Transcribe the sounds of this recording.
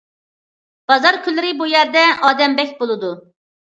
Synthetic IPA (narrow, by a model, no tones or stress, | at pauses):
b̥ɑzɑɾkʲʰylːɪɾɪbujɛɾd̪ɛʔɑːd̪ɛmbɛkʲbolˠɨd̪u